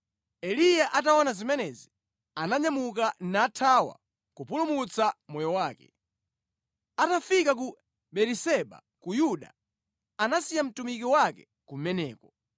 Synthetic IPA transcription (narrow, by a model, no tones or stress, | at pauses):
ɛlijaʔat̬aɔnazimɛnɛzi | anaɲamukanaːtʰawa̰ | kupulumut͡samɔjɔwaːkɛ̰ | atafikak̬u | ɓɛɾisɛɓa̰ | kujuɗa̰ | anasijam̩tumikiwakɛ | kumɛnɛ̰ːkɔ